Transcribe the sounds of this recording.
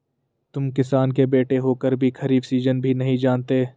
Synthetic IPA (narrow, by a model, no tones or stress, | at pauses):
t̪ʊmkɪsaːnkebeːʈeɦoːkəɾbʱikʰɐɾiːbsiːzənbʱinɐɦĩd͡ʒaːnt̪eː